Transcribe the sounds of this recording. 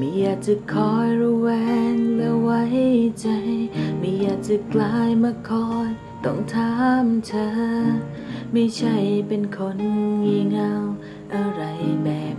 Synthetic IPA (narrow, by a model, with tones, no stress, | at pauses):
ma˧˥jaː˨˩k̚t͡ɕɯ˨˧˩kʰːɔː˧˩jɾuː˧wɛː˧ŋlɛ˧˥wa˧˦˥jt͡ɕa˧jmi˧˥jaː˨˩k̚t͡ɕa˨˩klaː˧˥jma˧˩kʰːɔː˧˩j | t̪ɔ˥˩ŋt̪ʰaː˧˦˥mt͡ɕ̪ʰɤː˧˦ | ma˧˩jt͡ɕʰa˥˩jpe˧nkʰo˧˥nŋi˧ŋa˧w | ʔa˧˩ɾa˧jbɛː˨˩p̚